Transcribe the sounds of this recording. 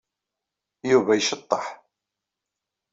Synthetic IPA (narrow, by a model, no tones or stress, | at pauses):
juvæjʃət̪ˤːəħ